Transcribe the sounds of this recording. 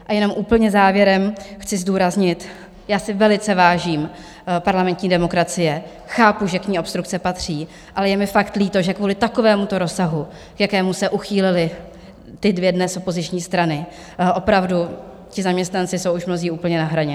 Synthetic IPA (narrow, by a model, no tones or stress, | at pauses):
ʔajɛno̞mʔuːpl̩ɲɛzaːvjɛɾɛmxt͡sɪzduːɾazɲɪt̪ | jaːsɪvɛlɪt͡sɛvaːʒiːm | paɾlamɛnt̪ɲiːdɛmo̞kɾat͡sɪjɛ | xaːpuʒɛkɲiːʔo̞pst̪ɾukt͡sɛpat̪r̝̥iː | ʔalɛjɛmɪfakt̪liːt̪o̞ʒɛkvuːlɪt̪ako̞vɛːmut̪o̞ɾo̞saɦu | kjakɛːmusɛʔuxiːlɪlɪ | t̪ɪdvjɛdnɛsʔopo̞zɪt͡ʃɲiːst̪ɾanɪ | ʔo̞pɾavdu | cɪzamɲɛst̪nant͡sɪso̞wuʃmno̞ziːʔuːpl̩ɲɛnaɦɾaɲɛ